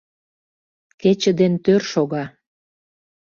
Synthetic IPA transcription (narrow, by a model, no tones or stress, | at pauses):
ket͡ɕə̆d̪ent̪ørʃoɣɑ